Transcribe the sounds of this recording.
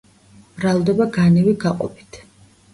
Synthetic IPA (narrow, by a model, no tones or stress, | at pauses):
b̥ɾalˠd̪ɛbaɡanɛviɡaqʼɔ̰pi̥t̪ʰ